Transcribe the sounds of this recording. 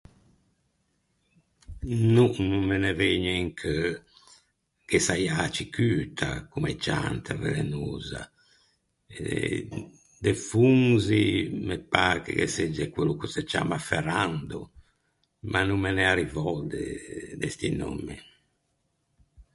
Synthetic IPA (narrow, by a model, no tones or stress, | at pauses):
nunumːɛnɛveɲɛŋkʰ | kɛsajat͡ʃikyːt̪ʰa̰kumɛt͡ʃa̰nt̪ʰavḛlɛnuːza̰ | ɛɛ | d̪ɛfuŋzimɛpːakɛ̰kɛ̰sed͡ʒːɛkwelukusɛt͡ʃa̰ːmafɛrand̪ɔ | manːumːɛnɛaɾivɔd̪ɛ̰d̪ɛst̪ino̰mːɛ